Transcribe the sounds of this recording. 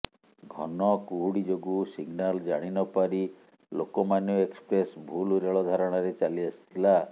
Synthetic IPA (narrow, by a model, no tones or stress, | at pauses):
ɡʱɔ̰nɔkuɦuɽid͡ʒoɡusiɡnald͡ʒaɽ̃inɔpaɾi | lokɔmanuekspɾesbʱuluɾeɭɔd̪ʱaɾɔɽ̃ɔɾet͡ʃaliasi̥t̪ʰila